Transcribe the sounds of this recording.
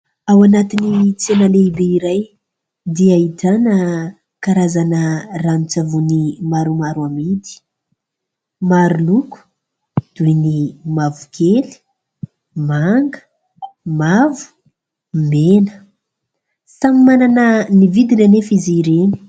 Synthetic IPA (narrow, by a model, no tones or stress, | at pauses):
awanat̪init͡senaleibeiɾaj | d̪iait̪anə | kaɾazanəranit͡savunimaɾumaɾuamit̪i̥ | maɾuluku̥ | d̪̥ujnimavu̥kʰeli̥ | maŋɡə̥ | mavu̥ | menə̥ | samimananənivid̪inanefiziɾeni̥